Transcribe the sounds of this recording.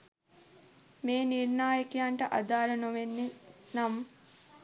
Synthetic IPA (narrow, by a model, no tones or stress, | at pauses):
meːniɾnaːjɐkijaɳʈɐʔɐ̰d̪aːɾɐnɐʋenːinɐm